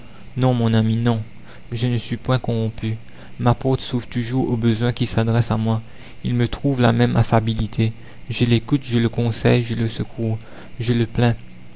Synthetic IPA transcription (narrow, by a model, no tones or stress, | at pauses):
nɔ̃mɔ̃naminɔ̃ | ʒənəsɥipwɛ̃kɔ̃ʁɔ̃py | mapɔt̪suvʁt̪uʒuʁobəzwɛ̃kʲisad̪ʁɛsamwa | ilmət̪χuvla̰mɛma̰fabilit̪ʰe | ʒəlekut̪ʒələkɔ̃sɛ̰jʒələsəkʰuːʁ | ʒələplɛ̃